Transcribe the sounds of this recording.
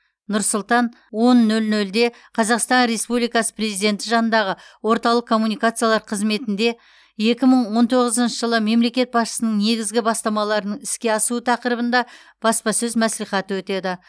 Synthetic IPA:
nʊɾsʊlˠt̪ɑn | wo̞nːɵlnɵld̪e̞ | qʰɑzɑqst̪ɑnɾe̞spublijkɑsə̥pre̞zijd̪ʲe̞nt̪ɪʒɑnənd̪ɑʁəwo̞ɾt̪ɑlˠəqkʰo̞mːunijkat̪sɨjalˠɑɾqʰəzme̞t̪ɪnd̪e̞ | je̞kʲɪməɴwo̞nt̪ʰo̞ʁəzənʃəʒəlˠəme̞mle̞kʲe̞t̪̚bɑsʃə̥sənəɴne̞ɡʲɪzɡʲɪbɑst̪ɑmɑlˠɑɾənəɴɪskʲe̞ɑsuət̪ʰɑqəɾəbənd̪ɑ | b̥ɑspɑsɵzmæslijχɑt̪əwɵt̪e̞d̪ɪ

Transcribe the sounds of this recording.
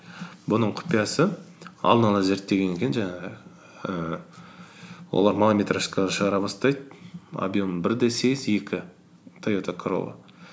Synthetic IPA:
bʊnəɴqʰʊ̥pijɑsəɑ̰lˠd̪ənɑlˠɑze̞ɾt̪ːe̞ɡʲe̞ne̞kʲe̞nʒɑɴɑʁə | ə | wo̞̰lˠɑɾmalˠamʲet̪ɾaʃkɑd̪ɑʃəʁɑɾɑbɑst̪ɑjd̪a̰bijomənbɪɾd̪esejɪze̞kʲɪ | t̪ʰajot̪ʰakʰɾo̰lˠə̰

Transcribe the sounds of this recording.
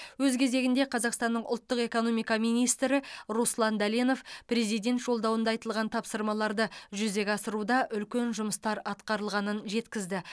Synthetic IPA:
wɵzkʲʰe̞ze̞ɡʲɪnd̪e̞qʰɑzɑqst̪ɑnːəɴʔʊ̰lˠt̪ːəqe̞ko̞no̞mijkɑmijnijst̪ɾɪɾuslˠɑnd̪æleno̞fpre̞zijd̪ʲe̞nt̪ʒ̥o̞lˠd̪ɑwənd̪ɑjt̪əlˠʁɑnt̪ʰɑpsəɾmɑlˠɑɾd̪əʒʏze̞kʲɑsəɾud̪ɑʔʏlkʲe̞nʒʊməst̪ɑɾɑt̪qɑɾəlˠʁɑnənʒe̞t̪kʲɪzd̪ɪ

